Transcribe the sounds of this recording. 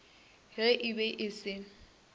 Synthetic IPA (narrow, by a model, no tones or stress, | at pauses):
hɪʔɪbɛʔɪsɪ